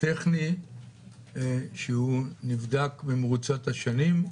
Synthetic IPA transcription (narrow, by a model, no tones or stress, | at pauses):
teχni | ʃeunivd̪akbemʁut͡sat̪haʃanim